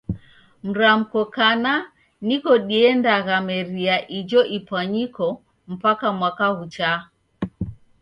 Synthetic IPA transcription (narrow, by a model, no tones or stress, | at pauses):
m̩ɾam̩kɔkana | nikɔɗiɛndaɣamɛɾiaʔid͡ʒɔʔipwaɲikɔ | m̩pakamwakaɣut͡ʃa